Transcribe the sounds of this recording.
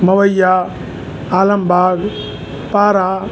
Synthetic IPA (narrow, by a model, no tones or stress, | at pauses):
mɐʋɐjːaː | aːlɐmbʱaːɡ | paːɾaː